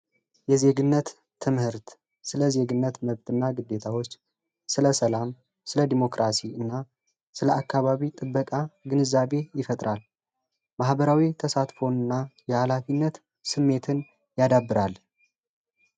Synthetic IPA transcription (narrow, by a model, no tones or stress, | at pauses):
jɛze̞ɡɨnːət̪ʰː | ɨmhɨɾt̪ | sɨləze̞ɡɨnːət̪məβt̪ʰʼɨnːaɡɨd̪ːet̪ʰawo̞t͡ʃː | sɨləsəlam | sɨləd̪imo̞kɾasiɨnːa | sɨləʔakːaβaβit̪ʼɨbːəkʼaɡɨnɨzaβe̞jɪfət̪ʼɾal | mahbəɾawit̪ʰəsat̪fo̞nɨnːajɛhalafinːət̪ | sɨmːe̞t̪ʰɨn | jad̪abːɨɾal